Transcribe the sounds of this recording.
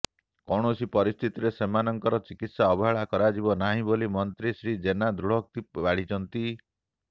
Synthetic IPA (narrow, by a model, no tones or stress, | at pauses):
kɔɽ̃osipɔɾist̪ʰit̪iɾesemanɔŋkɔɾɔt͡ʃikit̪saɔbɔɦaɭakɔɾad͡ʒibɔnaɦĩbolimɔnt̪ɾisɾid͡ʒenad̪ɾuɽ̤ɔk̚t̪ibaɽ̤it͡ʃʰɔnt̪i